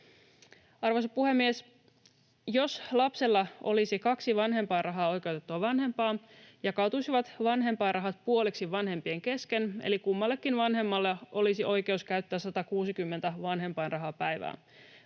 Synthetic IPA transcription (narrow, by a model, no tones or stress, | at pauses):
ɑrʋojsɑpuhe̞mːies | jo̞slɑpselːɑʔo̞̰lisikɑksiʋɑnɦe̞mpɑːrɑɦɑːo̞jk̟e̞wt̪et̪ːuɑʋɑnɦe̞mpɑː | jɑkɑt̪usiʋɑt̪ʋɑnɦe̞mpɑːnrɑɦɑt̪̚puoliksiʋɑnɦe̞mpieŋke̞skenḛlikumːɑlːe̞kːinʋɑnɦe̞mːɑlːeʔo̞lisiʔo̞jke̞uskæyt̪ːæːsɑt̪ɑkuːsikymːe̞nt̪æʋɑnɦe̞mpɑːnrɑɦɑpæjʋæ̰ːn